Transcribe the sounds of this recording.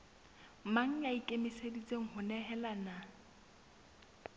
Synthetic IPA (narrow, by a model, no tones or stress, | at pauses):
maŋ̩aikʼemisedit͡sʼeŋ̩hʊnɛɦɛlana